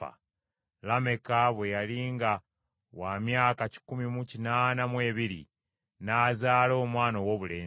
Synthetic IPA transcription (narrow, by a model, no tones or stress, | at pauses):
a̰ | lame̞kaβwejaliːŋɡa | waːmjaːkaci̥kumimucinaːnamwe̞ːβiɾḭ | naːzaːlo̞ːmwaːnawoːβuleː